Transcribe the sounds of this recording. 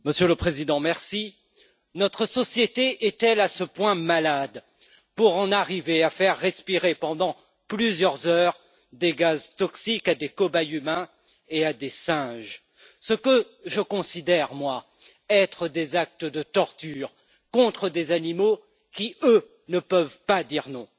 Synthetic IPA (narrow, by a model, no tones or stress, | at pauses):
məsjøləpχezid̪ɑ̃mɛʁsi | nɔt̪χəsɔsjet̪eʔɛt̪ɛlasəpwɛ̃malad̪ | puʁɑ̃naʁiveafɛʁːɛspiʁepɑ̃d̪ɑ̃ | plyzjœʁzœʁ | d̪eɡazt̪ɔksikad̪ekɔbajymɛ̃ | ead̪esɛ̃ʒ | səkə | ʒəkɔ̃sid̪ɛʁmwa | ɛt̪χəd̪ezak̚t̪əd̪ət̪ɔʁt̪yːʁ | kɔ̃t̪χəd̪ezanimo | kʲiø | nəpœvpad̪iʁnɔ̃